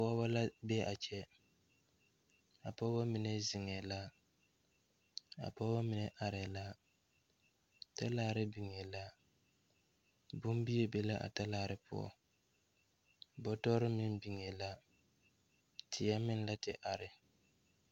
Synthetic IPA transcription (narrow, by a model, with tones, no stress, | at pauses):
pɔ˦ba˦la˦bɛ˦ʔa˨t͡ʃɛ˦ | a˨pɔ˦ba˦mi˨nɛ˨zɪ˨ŋɛ˨la˦ | a̰˨pɔ˦ba˦mɪ˨nɛ˨ʔa˨ɾɛ˨la˦ | ta˦laː˨ɾɪ˦bi˨ŋɛ˨la˦ | bʊ˦mbi˦e˦be˦la˦ʔa̰˨ta˦laː˦˨ɾɪ˦pʰʊ̰˦ɔ̰˨ | bɔ˦tɔ˦ɾɪ˦mɪ˦n˦bi˨ŋɛ˨la˦ | tʰɪ˨ja˦mɪ˦n˦la˦tɪ˨ʔa˨ɾɪ˨